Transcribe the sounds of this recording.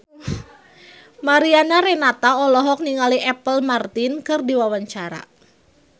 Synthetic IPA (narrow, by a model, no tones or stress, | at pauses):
maɾianaɾɛnat̪aɔlɔɦɔk̚niŋaliɛpəlmart̪ɪnkɨrdiwawaɲt͡ʃaɾa̰